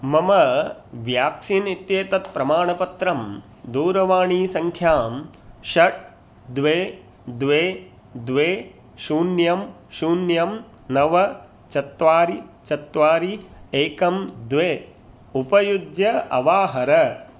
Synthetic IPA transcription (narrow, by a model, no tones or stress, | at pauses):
mɐmɐʋjaːkʃinit̪jeːt̪ɐt̪pɾɐmaːɳɐpɐt̪ɾɐm | d̪uːɾɐʋaːɳiːsɐŋkʰjaːm | ʃɐʈ̚ | d̪ʋeː | d̪ʋeː | d̪ʋeː | ʃuːnjɐm | ʃuːnjɐm | nɐʋɐ | t͡ʃɐt̪ʋaːɾit͡ʃɐt̪ʋaːɾieːkɐmd̪ʋeː | upɐjud̪jɐɐʋaːɦɐɾɐ